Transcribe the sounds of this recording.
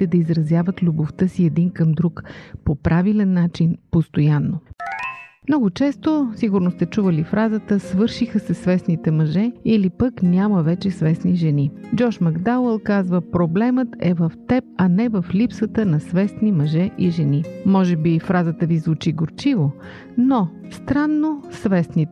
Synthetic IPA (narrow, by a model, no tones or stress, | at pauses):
t̪ɛd̪ɐizɾɐzjavət̪lʲuboft̪əsiɛd̪inkəmd̪ɾukpopɾʔavilɛnːat͡ʃinpost̪ojanːo | mnɔɡʊt͡ʃɛst̪osiɡʊɾnost̪ɛt͡ʃuvəlifɾazət̪əsvɤɾʃixəsɛsvɛsnit̪ɛmɐʒɛilipəknʲaməvɛt͡ʃɛsvɛsniʒɛnid͡ʒɔʃmɐɡd̪awɛlˠkazvəpɾoblɛmət̪ɛvəft̪ɛp̚ɐnɛvəflipsət̪ənɐsvɛsnimɐʒɛʔiʒɛnimɔʒɛbifɾazət̪əvizvut͡ʃiɡoɾt͡ʃivo | no | st̪ɾanːosvɛsnit̪